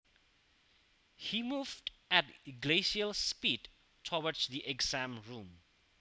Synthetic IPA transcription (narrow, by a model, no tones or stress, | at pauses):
himuːvdætɡleʃiəlspiːd | tʰɔwədsðiʔɛɡzãmɹũm